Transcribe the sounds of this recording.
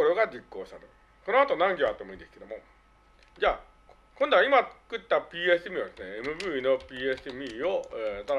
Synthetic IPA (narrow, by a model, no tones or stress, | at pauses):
ɾoɡad͡ʑikːo̞ːɕi̥t̪at̪o̰ | ko̞no̞at̪o̞nãŋɡʲoat̪ːomo̞ĩnd̪esɨ̥ke̞d̪omo̞ | d͡ʑaː | kõnd̪oaimat͡sɨ̥kɯ̟t̪ːapʲiːesɨmʲiad̪esɨneemɯ̟bɯ̟ːino̞pʲiːesɨmʲiːoet̪aɾ